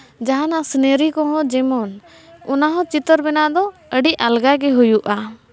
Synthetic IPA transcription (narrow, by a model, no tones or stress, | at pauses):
d͡ʒaɦanasneɾikɔ̃ɦɔ̃d͡ʒɛmɔn | unaɦɔ̃t͡ʃit̪əɾbɛnad̪ɔəɖialɡaɡɛɦujuʔa